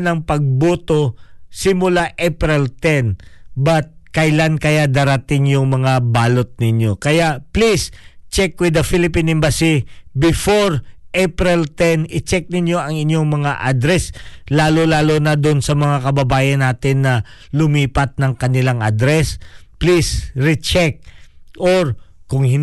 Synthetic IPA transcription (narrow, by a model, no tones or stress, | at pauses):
nɐŋpɐɡ̚buːt̪o̞sɪmʊlaʔɛpɾɛlt̪ɛnbɐt̪̚kɐjlankɐjad̪aːɾɐt̪ɪŋjʊŋmɐŋabaːlo̞t̪̚nɪɲjo̞kɐjaʔplist͡ʃɛkwɪd̪ɐfilɪpinɪmbɐsibɪfoɹʔɛpɾɛlt̪ɛnɪt͡ʃɛk̚nɪɲjo̞ʔɐŋɪɲjo̞ŋmɐŋaʔɐd̪ɾɛslaːlolaːlonɐd̪onsɐmɐŋakɐbɐbaːjɐnaːt̪ɪnːɐ | lʊmiːpɐt̪̚nɐŋkɐnɪlaŋʔɐ̰d̪ɾɛsplisɹɪt͡ʃɛk̚ʔoɹkʊŋhɪ